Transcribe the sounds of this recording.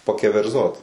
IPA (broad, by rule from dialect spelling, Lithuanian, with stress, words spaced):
pɐkʲɛʋʲɛrˈzoːt